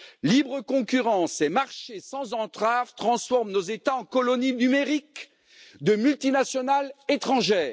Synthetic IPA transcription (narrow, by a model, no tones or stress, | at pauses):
libʁəkɔ̃kyʁɑ̃semaʁʃesɑ̃zɑ̃t̪χavt̪χɑ̃sfɔʁmnozet̪aɑ̃kɔlɔninymeʁik | d̪əmylt̪inasjɔnalet̪χɑ̃ʒɛːʁ